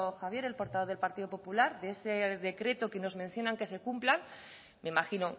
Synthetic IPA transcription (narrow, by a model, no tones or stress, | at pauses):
xaβ̞je̞ɾe̞lpo̞ɾt̪aβo̞ð̞e̞lpaɾt̪iðo̞po̞pulaɾdeeseðe̞kɾe̞t̪okeno̞zmẽn̟θjo̞naŋke̞se̞kumplaŋ | meimaxino